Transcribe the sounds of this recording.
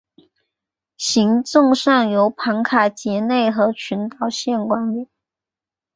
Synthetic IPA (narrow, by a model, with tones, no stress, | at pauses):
ɕi˧˥ŋt͡sʊ˥˧ŋʂɑ˥˩ŋjo˧˥ʊpʰɑ˧˥ŋkʰa˨˩t͡ɕjɛ˧˥ne˥˩ɪxɤ˧˥t͡ɕʰy˧˥nt̪ɑ˨˩ʊɕjɛ˥˩nkwa˥nli˨˩˦